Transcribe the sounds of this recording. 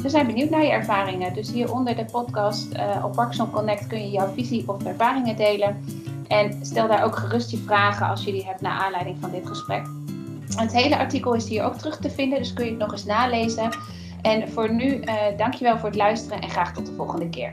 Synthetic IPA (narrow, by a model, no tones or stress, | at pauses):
ʋəzɛjnbənywtnaːɹjəɛɹvaːrɪŋədɵsɦiːɹʔɔndəɹdəpɔtkɑstəʔɔ̰pʋɑksɔnkɔnɛk̚tkɵnjəjawviziʔɔfɛɹvaːrɪŋədejlənʔɛnstɛlˠdaːɹowkχərɵstjəvraːχənɑ̰lˠsjɵliɦɛp̚tna̰ːɹʔaːnlɛjdɪŋvɑndɪtχəsprɛ̰k | ətɦejləʔɑɹtikəlˠɪsɦiːɹo̰wk̚tərɵχtəvɪndəndɵskɵnjəətnɔχɪsnaːlejzə | ɛnv̥ʊːɹnydɑŋkjəʋɛlˠvʊːɹətlœɥstərənʔɛ̰nχraːχtɔt̚dəvɔlˠχəndəkɪ̰ːɹ